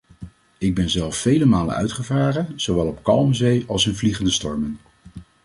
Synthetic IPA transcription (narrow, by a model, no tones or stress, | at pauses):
ɪɡ̚bɛnzɛlˠsːejləmaːlə̰nœ̰ɥtχəvaːrəz̥owʋɛlˠɔp̚kɑlˠmzejɑlˠsɪnvliχəndəstɔɹmən